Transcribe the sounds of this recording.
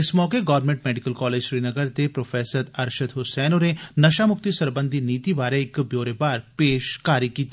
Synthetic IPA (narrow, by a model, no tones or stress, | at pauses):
ɪsmɔːkeɡɔʋəɾnmẽɳʈmɛːɖɪkəlkɔːleːd͡ʒʃɾiːnɐɡəɾt̪epɾoːfʰɛːsəɾd̪ɐɾʃəd̪ɦʊsɛːnonenɐʃamʊk̚t̪isɐɾbə̃nd̪ʱiniːt̪iʋaːɾeɪkbjoːɾebaːɾpeːʃkaːɾikiːt̪ʰi